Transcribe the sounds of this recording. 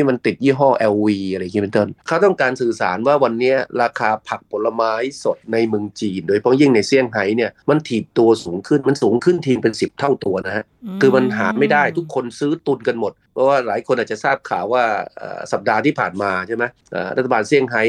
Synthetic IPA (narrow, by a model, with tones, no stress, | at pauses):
iː˥˩ma˧nt̪i˨˩t̪̚jiː˥˩ɦɔː˥˩ʔɛː˧wwiː˧ʔa˧ɾa˧jŋː˧˦˥e˧nt̪o˥˩nkʰaː˦˥˩t̪ɔ˥˩ŋkaː˧nsɯː˨˩sa̰ː˩˦nwaː˥˩wa˧nːi˦˥ɐɾaː˧kʰaː˧pʰa˨˩k̚pʰo˨˩˦lːa˧maː˦˥jso˨˩t̪̚na˧jmɯ˧ŋt͡ɕiː˧ndoː˧jpʰɔ˦˥ji˥˩ŋna˧jsi˥˩əŋɦa˩˦˥jni˥˩ɐma˧nt̪ʰiː˨˩p̚t̪u˧ɐsuː˩˦ŋkʰɯ˥˩nma˧nsuː˩˦ŋkʰɯ˥˩nt̪ʰiː˧ŋpe˧nsi˨˩p̚t̪ʰa˥˩wt̪u˧ɐna˦˥ha˦˥kʰɯː˧ma˧nɦaː˩˦ma˥˩jda˥˩jt̪ʰu˦˥kʰːo˧nsɯː˦˥t̪u˧nka˧nmo˨˩t̪̚pʰɔ˧˥˩waː˥˩laː˩˦jkʰo˧nʔaː˨˩t͡ɕa˨saː˥˩p̚kʰa̰ː˩˦waː˥˩ʔə̰ː˨˩sa˨˩p̚daː˧t̪ʰiː˥˩pʰaː˨˩nmaː˧t͡ɕʰa˥˩jm˦˥jʔa̰ː˨˩ɾa˥t̪ʰːa˧baː˧nsi˥˩əŋɦa˦˥j